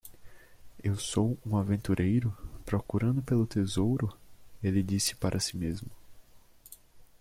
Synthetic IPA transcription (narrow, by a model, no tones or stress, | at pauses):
ewsowũavẽnt̪uɾʔejɾʊpɾɔkuɾɐ̃nd̪ʊpelʊt̪ezowɾʊelɪd͡ʒisɪ̥paɾʔɐsimezmʊ